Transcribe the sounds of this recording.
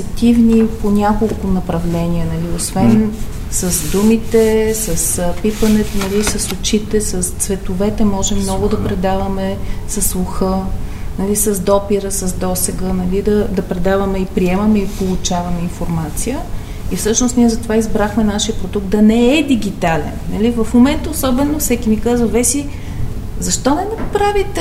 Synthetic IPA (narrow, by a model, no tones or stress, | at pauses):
ɐt̪ivniponʲakolˠkonɐpɾɐvlɛniənɐliosvɛn | sɐsd̪umit̪ɛsɐspipənɛt̪ʊnɐlisɐsʊt͡ʃit̪ɛsəst̪svɛt̪ʊvɛt̪ɛmɔʒɛmːnɔɡʊd̪ɐpɾɛd̪avɐmɛsɐsːlˠʊxɤ | nɐlisəzd̪ɔpiɾəsɐzd̪ɔsɛɡənɐlid̪ɐd̪ɐpɾɛd̪avəmɛipɾiɛmɐmɛipolˠut͡ʃavɐmɛinfoɾmat̪sijə | ifsɤʃnosniɛzɐt̪ovaizbɾaxmɛnaʃijəpɾod̪uk̚t̪d̪ɐnɛɛd̪iɡit̪alɛ̰nːɐlivəfmomɛnt̪əosɔbɛnofsɛkimikazvəvɛsi | zɐʃt̪ɔnɛnɐpɾavit̪